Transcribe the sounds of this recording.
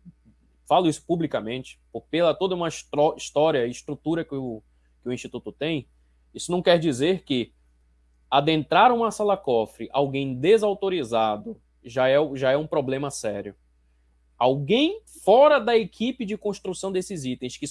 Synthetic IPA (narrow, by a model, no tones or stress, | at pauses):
falʊisʊ̥publikɐmẽnt͡ʃɪ̥pokpelɐt̪od̪ɐũmɐʃt̪ɔiʃt̪ɔɾiɐiiʃt̪ɾut̪uɾɐkɪʊ | kɪʊĩʃt͡ʃit̪ut̪ʊt̪ẽj̃ | isʊnɐ̃w̃kɛɾd͡ʒizeɾkɪ | ad̪ẽnt̪ɾaɾũmɐsalakɔfɾɪʔawɡẽj̃d̪ezawt̪oɾizad̪ʊ | ʒaɛʊʒaɛũpɾoblẽmɐsɛɾjʊ | awɡẽj̃ | fɔɾɐd̪ɐekʰipɪd͡ʒɪkõʃt̪ɾusɐ̃w̃d̪esɪzit̪ẽj̃skɪ